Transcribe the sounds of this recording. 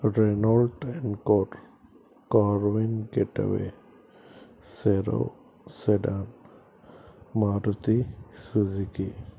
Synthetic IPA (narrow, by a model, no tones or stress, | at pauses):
ɾenɔlʈɛnkɔɾ | kɔɾwinkeʈa̰wḛ | seɾo̰ | seɖam | aɾut̪isud͡ʒiki